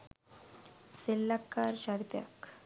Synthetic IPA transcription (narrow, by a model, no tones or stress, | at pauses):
selːakːaɾɕaɽt̪ja̰k